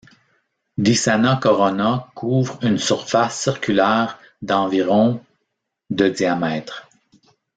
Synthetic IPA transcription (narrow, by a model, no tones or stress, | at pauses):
d̪isanakɔʁɔnakʰuːvʁynsyʁfasːiʁkʲylɛːʁ | d̪ɑ̃viʁɔ̃ | d̪əd̪iamɛːt̪χ